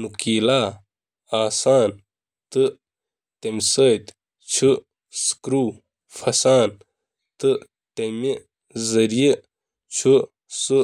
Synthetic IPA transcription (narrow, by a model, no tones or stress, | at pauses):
nukiːlaː | aːsaːn | t̪ɨ | t̪emsɐt̪ | t͡ɕʰu | skɾuː | fɐsaːn | t̪ɨ | t̪ɐmi | zɐɾiji | t͡ɕʰu | sɨ